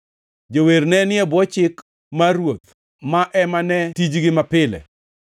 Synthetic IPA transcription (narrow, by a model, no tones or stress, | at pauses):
d͡ʒoweɾnɛnɪɛbɔt͡ʃɪk | maɾwot̪̚ | maʔɛmanɛtid͡ʒɡɪmapɪlɛ̰